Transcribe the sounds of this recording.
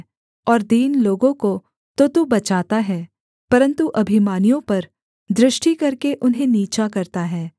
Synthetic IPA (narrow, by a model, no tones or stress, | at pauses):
ɔːɾd̪iːnloːɡõko | t̪ot̪obɐt͡ʃaːt̪aɦɛː | pɐɾə̃nt̪uʔɐbʱɪmaːnijõpɐɾ | d̪ɾɪʃʈikɐɾkeʔʊnɦẽniːt͡ʃakɐɾt̪aɦɛː